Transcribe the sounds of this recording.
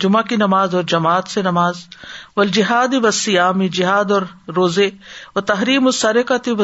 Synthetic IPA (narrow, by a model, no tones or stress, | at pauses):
d͡ʒʊmakinɐmaːzɔːɾd͡ʒɐmaːt̪senɐmaːzʋɐld͡ʒɪɦaːd̪iʋɐsijaːmid͡ʒɪɦaːd̪ɔːɾːoːzeʋɐt̪ɐɦɾiːmʊsɐɾɪkat̪iʋɐ